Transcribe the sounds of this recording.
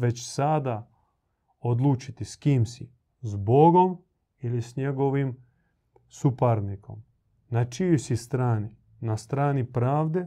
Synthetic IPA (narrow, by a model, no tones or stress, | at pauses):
ʋe̞t͡ɕsad̪a | od̪lˠuːt͡ʃit̪iskiːmsi | zbo̞ɡo̞m | ilisɲeɡo̞ʋim | supaɾniko̞̰m | nat͡ʃijusist̪ɾaːni | nast̪ɾaːnipɾaːʋd̪e